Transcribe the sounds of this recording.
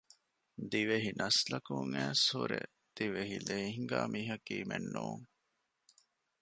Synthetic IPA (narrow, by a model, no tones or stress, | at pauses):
d̪iʋeɦinɐslɐkuŋæːshuɾḛ | d̪̥iʋeɦileːɦiŋɡæːmʔiːɦɐkiːmenːuuŋ